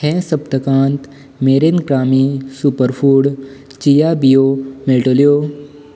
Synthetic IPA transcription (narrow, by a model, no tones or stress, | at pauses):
kʰɛ̃səbt̪əkãːnt̪ | meːɾenkɾaːmisupəɾfʰuːɽ | t͡ʃijaːbijomeːʈoːlijoː